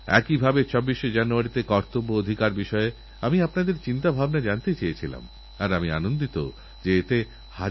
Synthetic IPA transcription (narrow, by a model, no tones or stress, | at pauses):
ɛ̰kibʱabet͡ɕʰobːiʃed͡ʑanuaɾit̪ekɔɾt̪obːood̪ʱikaɾbiʃɔe | amiapnad̪eɾt͡ɕint̪abʱabnad͡ʑant̪et͡ɕejet͡ɕʰila̰m | aɾamia̰nond̪it̪o̰ | d͡ʑeet̪e | ha